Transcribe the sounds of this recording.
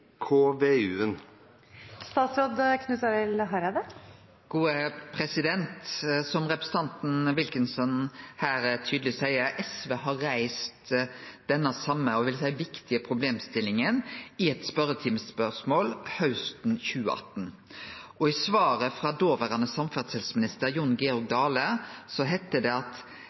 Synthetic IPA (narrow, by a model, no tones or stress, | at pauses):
kʰoːʋeːʉːən | st̪ɑːt̪sɾoːd̪kʰnʉːsɑɾɛlɦɑɾɑd̪ɛ | ɡ̥uːəpʰɾɛsɪd̪ɛnt̪sɔmɾɛpɾəsət̪ʰɑnt̪n̩ʋɪlkɪnsɔnhæːɾt̪ʰyːd̪lɪsæɪəɾʔɛsʋeɦɑɾæɪst̪d̪̥ɛnːəsɑmːəɔʋɪlsæɪʋɪkt̪ɪəpʰɾʊbleːmst̪ɪlːɪŋənɪɛt̪spœɾət̪ʰɪmspœʂmoːlhɑʉst̪n̩çʉːəɑ̰t̪n̩ | ɔɪsʋɑːɾəfɾɑd̪oːʋəʁɑnəsɑmfɑt̪sɛlsmɪnɪst̪əɾjʊnɡɛɔɾɡ̚d̪ɑːləsɔɦæɪt̪ːəd̪ɛɑt̪